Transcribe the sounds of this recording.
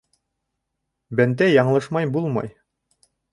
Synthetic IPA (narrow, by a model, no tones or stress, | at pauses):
bænd̪æjɑɴlˠɤʃmɑjbulˠmɑ̰j